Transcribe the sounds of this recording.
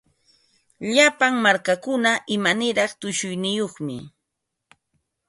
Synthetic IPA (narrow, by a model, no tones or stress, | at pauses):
ʎapaŋmaɾkakʊnaʔɪmanɪɾɑχt̪ʊʃʊjnɪjoχmɪ̰